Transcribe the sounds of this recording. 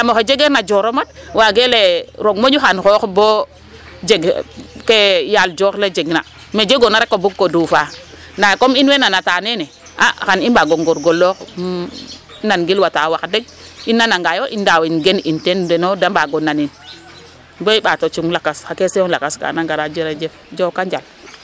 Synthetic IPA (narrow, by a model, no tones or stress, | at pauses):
amoxed͡ʒeɡeɾnad͡ʒoɾomat̚waɡeleɾoɡmoɲuxanxoxbo | d͡ʒeɡkejald͡ʒoɾled͡ʒeɡna | med͡ʒeɡonaɾekːobuɡkodufa | nakominwenanatanene | ʔa̰xaninbaɡoŋɡoɾɡolːok | nanɡilwatawakdeɡ̚ | inːanaŋɡajoʔindawinɡenintendenodambaɡonanin | boiɓatot͡ʃiŋlakasakeseola̰kaska̰naŋɡaɾad͡ʒeɾad͡ʒefd͡ʒokad͡ʒal